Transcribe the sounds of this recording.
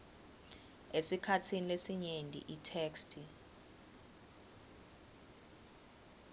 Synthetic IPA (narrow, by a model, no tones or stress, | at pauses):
esikʰatʰinilesiɲendʼʱḭʔitʰeːkstʰʼi